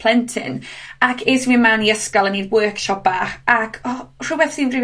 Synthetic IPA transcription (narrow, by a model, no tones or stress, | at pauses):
l̥ˠɛntʰɪ̰nakʰeswimaniəskalˠəniːdwəːkʃɔb̥aχakʰɔr̥ʊbɛθsiːnvrɪ